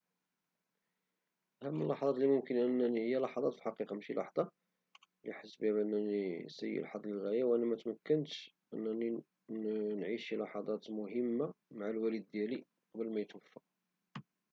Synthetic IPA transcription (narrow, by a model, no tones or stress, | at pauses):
ʔæhæmːəlːɑħd̪ˤɑt̪limʊmkənʔənːænəjːælɑħɑd̪ˤɑt̪filħɑqiqɑmæʃilʔɑ̰ħd̪ˤɑ | lḭħəsːbihæmʔənːænisə̰jːḭlɑ̰ħɑd̪ˤləlɣæjæwʔænːæmæt̪mækːənt̪ | ʔə̰nːæni | nʕiʃilɑħɑd̪ˤɑt̪mʊhəmːamaʕalwælid̪̚ːjæli | qɑbəlmæjt̪wəfːæ